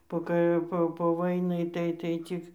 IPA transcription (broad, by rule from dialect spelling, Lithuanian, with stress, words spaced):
poː ˈkɐɪ ˈpoː poː ˈʋɐɪnɐɪ tɐɪ tɐɪ ˈt͡sʲɪk